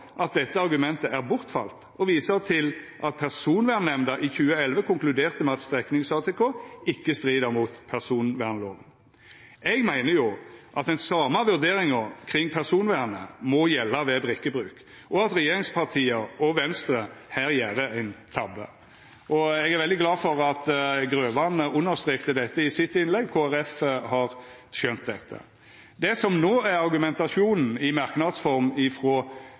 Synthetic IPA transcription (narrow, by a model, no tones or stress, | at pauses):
ʔɑt̪̚d̪ɛt̪ːəɑʁɡʉmɛnt̪əʔæʁbʊʁt̪fɑ̰lt̪ | ɔʋiːsəʁt̪ʰɪlʔɑt̪̚pʰæʁsuːnʋæːnɛmd̪ɑʔɪçʉːəɛlʋəkʰʊŋklʉd̪eːʁt̪əmɛɑt̪st̪ʁɛknɪŋsɑːt̪ʰɛkʰoːɪkːəst̪ʁiːd̪əɾmuːt̪pʰæʁsuːnʋæːʁnəlo̰ːɡn | ɛɡmæɪnəjʊʔɑt̪ɛɪnsɑːməʋʉʁd̪eːɾɪŋəkʰʁɪŋːpʰæʁsuːnʋæːʁnə̰mɔjɛlːɑʋɛbʁɪkːəbʁʉːk | ʔɔɑt̪ɾɛjeːɾɪŋspʰɑʁt̪ʰiːəɔʋɛnst̪ɾəhæːɾjæːɾəæɪnt̪ʰɑbːə̰ | ʔɔɛɡæɾʋɛld̪ɪɡlɑːfɔʁɑt̪ɡɾøːʋɑnəʔʊnːəɾst̪ʁeːkt̪əd̪ɛt̪ːəɪsɪt̪ːɪnlɛɡkʰoːæɾɛfəhɑɾ | ʃœnt̪̚d̪ɛt̪ːə̰ | d̪ɛsɔmnoːæɾɑɾɡʉmɛnt̪ɑsuːnn̩ɪmɑɾknɑd̪sfɔɾmɪfʁɔː